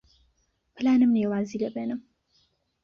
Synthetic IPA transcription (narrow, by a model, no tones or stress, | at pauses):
pɨlaːnɨmneːwaːziːlɐbeːnɨm